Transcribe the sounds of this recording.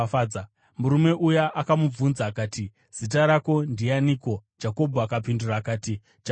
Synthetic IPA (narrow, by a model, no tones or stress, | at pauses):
fad͡za | muɾume̞ʔujaʔakamub͡vunzaːkaːti | z̥it̬aɾako̞ndianiːko̞d͡ʒako̞bʱuakapinduraːkaːti | d͡ʒ